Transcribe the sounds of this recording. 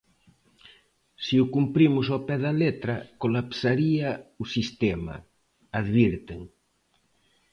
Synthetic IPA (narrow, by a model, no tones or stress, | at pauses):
siukumpɾimʊsopɛðalet̪ɾakolapsaɾiausist̪ɛma̰ | aðβiɾt̪eŋ